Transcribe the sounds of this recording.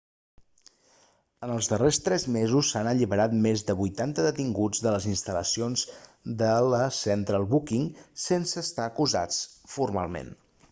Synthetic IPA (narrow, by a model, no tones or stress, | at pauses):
ənəlˠzðərest̪ɾɛzmezusːanəʎiβəɾat̪mezðəβujt̪ant̪əðət̪iŋɡud͡zðələzinst̪ələ̰sionzd̪ələsɛnt̪ɾəlˠβukiŋsensəːst̪aəkuza̰t͡sfuɾma̰lˠmḛn